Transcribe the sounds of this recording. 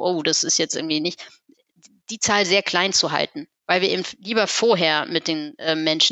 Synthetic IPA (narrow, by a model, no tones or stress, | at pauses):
ʔoːd̥asɪstjɛt͡stʔɪɐɡŋ̩tv̥iːnɪç | d̥iːt͡saːlzeːɐkʰl̥aɪnt͡suɦa̰ltn̩vaɪlviːɐʔeːbm̩tliːbɐfoːɐɦeːɐmɪt̚d̥eːnʔɛːmmɛnʃ